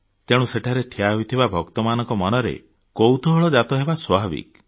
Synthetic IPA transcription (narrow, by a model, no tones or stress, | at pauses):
t̪eɽ̃ũseʈʰaɾeʈʰiaɦujt̪ʰibabʱɔkt̪ɔmanɔŋkɔmɔnɔɾḛ | kowt̪ɔɦɔɭɔd͡ʒat̪ɔɦebaswɔbʱabḭk